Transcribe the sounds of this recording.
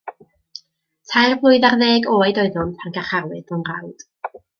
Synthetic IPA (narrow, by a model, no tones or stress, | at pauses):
tʰajrblˠʊɨðarðeːɡoːajdɔɨðʊnpʰanɡaχarlˠɨθɔnra̰wd̥